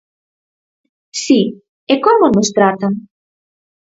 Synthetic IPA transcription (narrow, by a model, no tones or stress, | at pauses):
si | ekɔmonust̪ɾat̪am